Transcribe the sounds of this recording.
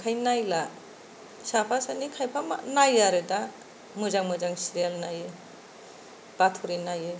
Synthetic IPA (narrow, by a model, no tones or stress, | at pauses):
kʰajnajla | sapʰasanikʰajpʰama̰najaɾɯda | mɯzaŋmɯzaŋsiɾialnajɯ | b̥atʰuɾinajɯ